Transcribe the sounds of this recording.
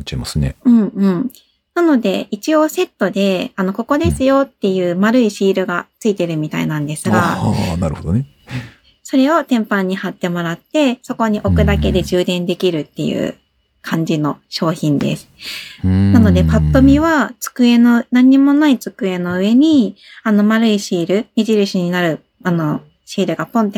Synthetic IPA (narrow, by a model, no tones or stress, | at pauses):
t͡ɕaimasɨnḛɯ̟̃ɴɯ̟̃ɴ | nano̞d̪e̞̰it͡ɕio̞se̞t̪ːo̞d̪e̞ano̞ko̞ko̞d̪e̞sɨjo̞t̪ːe̞jɯ̟ːmaɾɯ̟iɕiːɾɯ̟ɡat͡sɨit̪e̞ɾɯ̟mʲit̪a̰ḭnãnd̪e̞sɨɡanaɾɯ̟hod̪o̰ne | so̞ɾe̞o̞t̪ẽ̞mpãɲ̟ːihat̪ːe̞mo̞ɾat̪ːe̞so̞ko̞ɲ̟iʔo̞kɯ̟d̪ake̞d̪e̞ʑɨːd̪ẽ̞nd̪e̞kʲiɾɯ̟t̪ːe̞̰jɯ̰ː | kʰãɲ̟d͡ʑino̞ɕo̞ːçĩnd̪e̞̰sɨ̥ | nano̞d̪e̞pat̪ːo̞mʲiβat͡sɨ̥kɯ̟e̞no̞nãɲ̟ːimo̞nait͡sɨ̥kɯ̟e̞no̞ɯ̟e̞ɲ̟i | ano̞maɾɯ̟iɕiːɾɯ̟mʲiʑiɾɯ̟ɕiɲ̟inaɾɯ̟ | ano̞ | ɕiːɾɯ̟ɡapõ̞nt̪̬ːe